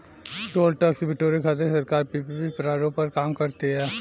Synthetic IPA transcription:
ʈoːlʈɐksbɪʈoːɾikʰaːt̪̬esɐɾkaːɾpipipipɾaːɾõpɐɾkaːmkɐɾt̪eɦɛː

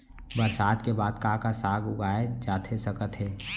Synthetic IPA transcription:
bəɾsaːd̪kebaːd̪kakasaːɡʊɡaːed͡ʒaːt̪ʰesəkət̪ɦɛː

